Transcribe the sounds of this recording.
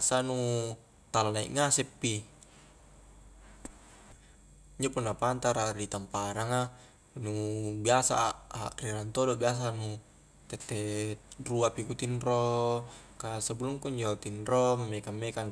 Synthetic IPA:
sanu | t̪alanaḭʔŋasɛpːi | iɲd͡ʒopunːapant̪aɾaɾit̪ampaɾaŋa | nubiasa̰a̰kriɾant̪odɔbias̬anu | t̪ɛt̪ːɛruapikut̪inro | kasabuluŋkuiɲd͡ʒot̪inrɔmamːekamːekan

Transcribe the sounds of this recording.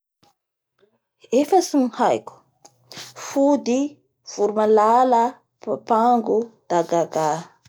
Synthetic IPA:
efasinhajku̥ | fud̪i | v̥uɾumalala | paŋɡud̪̥aɡaɡa

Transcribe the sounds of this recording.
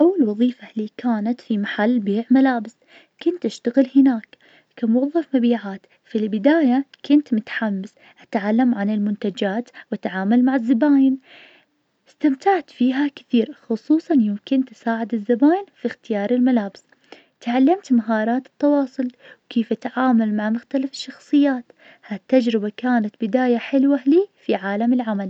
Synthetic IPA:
ʔawːalwɑðˤiːfaliːkʰaːnat̪fimaħalːbeːʕmalaːbɪs | kʊnt̪ʔaʃt̪aɣɪlhɪnaːk | kamʊwɑðˤːɑfmabiːʕaːt̪ | filbɪd̪aːjakʊnt̪mʊt̪ħamːas | ʔat̪ʕalːamʕanɪlmʊnt̪ad͡ʒaːt̪wat̪ʕaːmalmaʕɪzːabaːjɪn | ɪst̪amt̪aʕt̪fiːɦakɪ̥θiːɾxʊsˤuːsˤɑnjɪmkɪnt̪ɪ̥saːʕɪd̪ɪzːabaːjɪnfixt̪ɪjɑːɾˤɪlmalaːbɪs | t̪ʕalːamt̪maɦɑːɾˤɑːt̪ɨ̥t̪ːɑwɑːsˤʊlwkeːfʔat̪ʕaːmalmaʕmʊxt̪alafɪ̥ʃːɑxsˤɨjːaːt̪ | hat̪ːad͡ʒɾɪbakaːnat̪bɪd̪aːjaħɪlwaliːfiʕaːlamɪlʕamal

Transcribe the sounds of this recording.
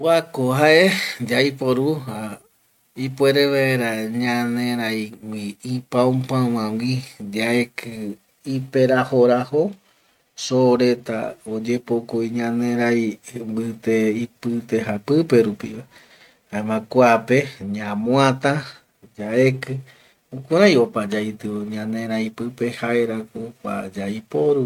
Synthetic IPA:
wʷakoɦaʔed͡ʒaipoɾuha | ipweɾeβaeɾaɲãnẽɾajwiipaõpãwãwid͡ʒae̞kʰɨ | ipeɾahoɾaho | soɾet̪a̰od͡ʒe̞pokoiɲãnẽɾajmbɨt̪eipɨt̪e̞ɦapɨpe̞ɾupḭβa | aemãkʷape̞ɲãmõãt̪ã | d͡ʒae̞kɨ | ukʷaɾajopad͡ʒait̪ɨoɲãnẽɾajpɨpe̞haeɾakoka̰d͡ʒaipoɾu

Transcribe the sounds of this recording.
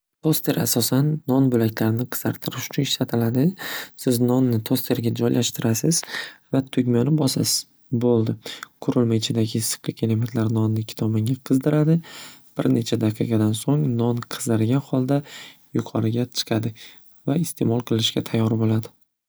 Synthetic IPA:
t̪ʰost̪ʰe̞ɾa̰sɒsanːɒnbɵlakʲlaɾnɪqʰɨ̥zaɾt̪ʰɪɾɪʃʊ̥t͡ʃʰʊnɪʃlat̪ʰɪlad̪ɪsɪznɒnːɪt̪ʰost̪ʰe̞ɾɡʲad͡ʒɒjlʔaʃt̪ɪɾasɪzvat̪ʰʊɡʲmɒnɪbɒsa | bolˠd̪ɪqʰʊɾʊlmaɪt͡ʃʰɪd̪aɡʲɪsɨ̥qlɪkʲʰelemt̪ʰlaɾnɒnːɪkʲʰɪ̥t̪ʰɒbɪŋʲaqʰɨzd̪ɪɾad̪ɪb̥ɪ̰ɾne̞t͡ʃʰad̪aqʰiqʰɑd̪ansoŋnɒnqʰɨ̥zd̪ɪɾɡʲanχɒlˠd̪ajʊqʰɒɾɪɡʲat͡ʃʰɨ̥qʰɑd̪ɪ | vaɪst̪ʰe̞mɒlˠqʰɨlˠɪʃkʲat̪ʰajːɒɾbolad̪ɪ

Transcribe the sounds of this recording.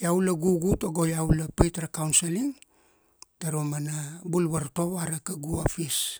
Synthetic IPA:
jawlaɡuɡutoɡo̞jaulapajtɾakawnseliŋ | taɾomanabulbaɾto̞βaɾakaɡuapis

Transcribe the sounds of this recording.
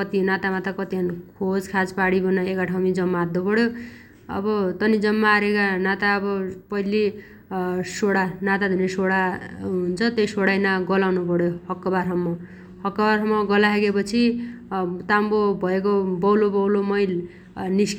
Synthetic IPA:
ʌt̪inat̪amat̪ʌkʌt̪iɦʌnkʰod͡zkʰad͡zpaɽibʌnaekaʈʰawmid͡zʌmːaːd̪ːopʌɽjo | ʌ̰bʌt̪ʌnid͡zʌmːaːɾekanat̪aʌbʌpʌili | soɽanat̪ad̪ʱunesoɽaunt͡sʰʌt̪ejsoɽajnaɡʌlawnupʌɽjohʌkːʌbaɾɦʌmːʌ | hʌkːʌbarɦʌmːʌɡʌlaɦeɡepʌt͡sʰi | t̪ambobʱʌek̬obʌwlobʌwlomʌjl | nisk

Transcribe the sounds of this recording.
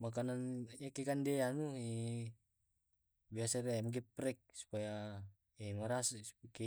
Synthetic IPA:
mak̬ananjakɛkandɛanuɛ | biasaɾɛamɡ̬ɛpɾɛk̚su̥paja | ɛmaɾaspikɛ

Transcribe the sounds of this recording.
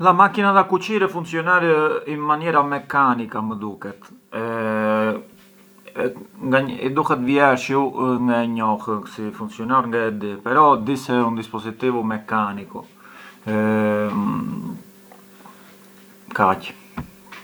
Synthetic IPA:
ðamakinaðakut͡ʃiɾɛfuŋksiɔnaɾinmanɛɾamɛkanikaməd̪ukɛt̪ɛ | ŋɡaḭd̪uhɛt̪vjɛɾʃiuŋɡaɲɔxəksifuŋksiɔnaɾŋɡad̪ipɛɾɔd̪isɛund̪ispɔzit̪ivumɛkanikṵ | kac

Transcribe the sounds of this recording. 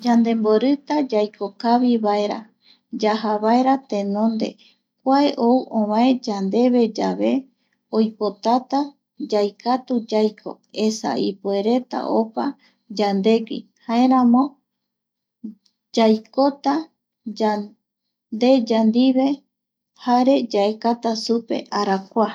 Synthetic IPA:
d͡ʒand̪e̞mboɾɨt̪ad͡ʒajkokaβiβae̞ɾa̰ | d͡ʒaɦaβae̞ɾat̪ẽ̞nõ̞nd̪e̞̰ | kʷaeʔouʔõβãẽd͡ʒand̪e̞βe̞d͡ʒaβe̞ | ojpo̞t̪at̪a | d͡ʒajkʰat̪ud͡ʒajkʰo̞̰ | e̞sa̰ipue̞ɾe̞t̪a̰ʔo̞pa | d͡ʒand̪e̞ɡḭ | haeɾãmõ̞ | d͡ʒajko̞t̪a | a | nd̪e̞d͡ʒand̪iβe̞ | haɾe̞d͡ʒaekat̪asupe̞̰ʔaɾakʷa

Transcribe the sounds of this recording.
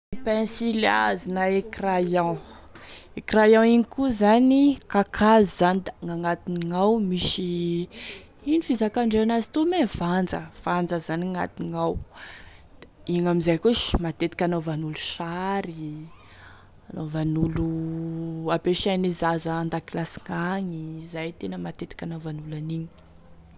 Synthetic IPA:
pẽsila̰zinaekrajã | ekrajãiŋikuzanikakʰazzand̪aŋaŋat̪iniŋawmiʃi | inifizakaɳɖ͡ʐeanazi̥t̪umevand͡zə̰v̥and͡zəzanŋa̰t̪iŋaw̥ | iŋamizajkuʃmat̪et̪i̥kʲanovanuluʃaɾi | anovanulu | apeʃanizazəand̪akilasi̥ŋaɲizajt̪enəmat̪et̪i̥kʲanawvanulaniɲi̥

